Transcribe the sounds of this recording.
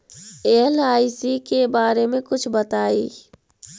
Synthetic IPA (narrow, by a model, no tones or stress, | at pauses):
eːlaːisikebaːɾemẽkʊt͡ʃʰbət̪aːḭː